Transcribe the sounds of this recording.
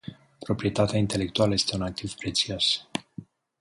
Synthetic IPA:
pɾo̞pɾie̞t̪at̪eaint̪e̞le̞k̚t̪ualəje̞st̪e̞unak̚t̪iv̥pɾe̞t̪sios

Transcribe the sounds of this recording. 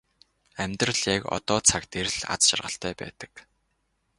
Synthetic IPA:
æmʲt̪rə̆ɮjakɔ̰t̪ɔːt͡sʰakt̪eɾɮa̰t͡sʃa̰rʁə̆ɬt̪ʰœːpæ̰ːt̪ə̥̆k

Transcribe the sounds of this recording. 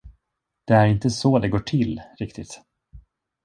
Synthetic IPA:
d̪̥ɛæɾɪnt̪əsɔd̪ɛɡoːʈʰɪlːɾɪkt̪ɪt̪

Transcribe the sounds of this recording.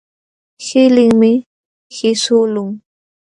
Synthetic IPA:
hɪlɪŋmɪ | hɪsʊlʊŋ

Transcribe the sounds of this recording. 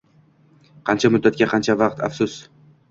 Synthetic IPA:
qʰɑnt͡ʃʰamʊd̪ːat̪̚kʲaqʰɑnt͡ʃʰavɑqt̪ʰa̰fsʊs

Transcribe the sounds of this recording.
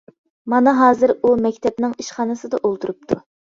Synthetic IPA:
mɑnɨɦɑːzɨɾumɛkʲt̪ʰɛpnɪŋiʃχɑːnɨsɨd̪ɑʔolˠt̪ʰuɾup̚t̪ʰu

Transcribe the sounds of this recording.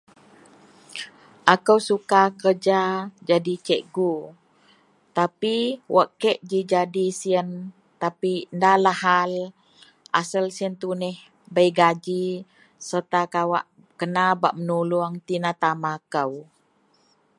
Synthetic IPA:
ʔakəwsukakərd͡ʒad͡ʒadit͡ʃɛʔɡu | t̪apiwʔaʔkɛʔd͡ʒid͡ʒadisiən | t̪apindalahal | ʔa̰səlsiənt̪unɛh | bəjɡad͡ʒi | sərt̪akawa̰ʔ | kənabaʔmənuluaŋt̪inat̪amakəw

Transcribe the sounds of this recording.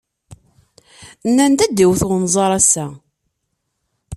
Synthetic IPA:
nːænt̪æd̪ːiwθʁnzˤɑɾˤæsæ

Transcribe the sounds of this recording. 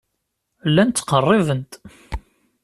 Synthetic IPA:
lːænt̪ːqərˤːɪvənt̪

